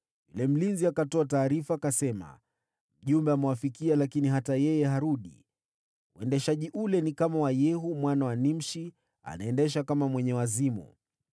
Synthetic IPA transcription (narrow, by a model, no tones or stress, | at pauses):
jṵlɛm̩linziakatɔataːɾifaːkasɛma̰ | m̩ʄumbɛamɛwafikialakiniɦatajɛjɛɦaɾuɗḭ | uɛndɛʃaʄiʔulɛnikamawajɛɦumwanawanim̩ʃi | a̰naɛndɛʃ̬akamamwɛɲɛwazimṵ